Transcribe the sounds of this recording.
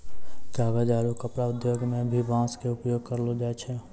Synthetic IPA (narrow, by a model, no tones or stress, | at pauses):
d͡ʒaɡad͡ʒaːɾukəpɾaʊd̪joːɡmẽbʱibãskeʊpjoːɡ̚kəɾlod͡ʒaɛt͡ʃʰɛ